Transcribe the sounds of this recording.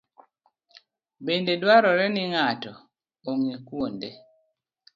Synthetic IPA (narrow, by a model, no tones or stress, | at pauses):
bendedwaɾɔɾɛnɪŋatɔ | oŋikwonde